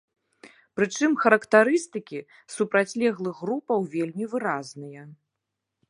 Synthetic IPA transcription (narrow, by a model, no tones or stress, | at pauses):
pɾɨt͡ʂɨmxɐɾɐkt̪aɾɨst̪ɨkʲi | supɾat͡sʲlʲɛɣlˠɨɣːɾupɐwvʲelʲmʲivɨɾaznɨjɐ